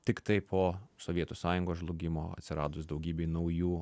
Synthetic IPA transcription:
t̪ʲɪkt̪ɐɪpʰoːsoʋʲiɛt̪usɑːjʊŋɡoːsʒlˠʊɡʲɪmoːɐ̰t̪ʲsʲɪɾɑːd̪ʊsʲd̪ɐʊɡʲiːbʲenɐʊjuː

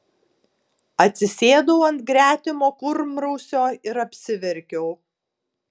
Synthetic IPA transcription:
ɐt̪ʲsʲɪsʲeːd̪oʊɐnt̪̚ɡɾʲæːt̪ʲɪmoːkʊɾmɾɐʊsʲoːɪɾɐpʲsʲɪʋʲɛɾʲkʲɛʊ

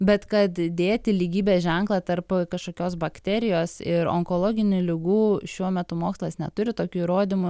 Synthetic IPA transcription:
bʲɛt̪kɐt̪d̪ʲeːt̪ʲɪlʲiːɡʲiːbʲɛsʒʲɛŋklˠɐt̪ɐrpkɐʃkoːkʲoːsbɐkt̪ʲɛːɾʲɪjoːsɪɾo̰ŋkoːlˠoːɡʲɪnʲulʲɪɡuːʃʲuɔmʲɛt̪ʊmoːkslˠɐsnʲɛt̪ʊɾʲɪt̪oːkʲuːiɾoːd̪ʲɪmʊ

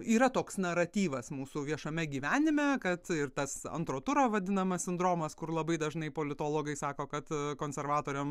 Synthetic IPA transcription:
iːɾɐt̪oːksnɐɾɐt̪ʲiːʋɐsmuːsʊʋʲiɛʃɐmʲɛɡʲiːʋʲæːnʲɪmʲɛkɐt̪ɪrt̪ɐsɐ̰nt̪ɾoːt̪ʊɾoːʋɐd̪ʲɪnɐmɐssʲɪnd̪ɾoːmɐskʊrlˠɐbɐɪd̪ɐʒnɐɪpoːlʲɪt̪oːlˠoːɡɐɪsɑːkoːkɐt̪koːnʲsʲɛrɾʋɑːt̪oːɾʲɛm

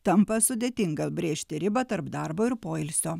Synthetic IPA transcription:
t̪ɐmpɐsʊd̪ʲeːt̪ʲɪŋɡɐlbʲɾʲeːʃʲt̪ʲɪɾʲɪbɐt̪ɐɾpd̪ɑːˑɾboːɪɾpoːɪlʲsʲoː

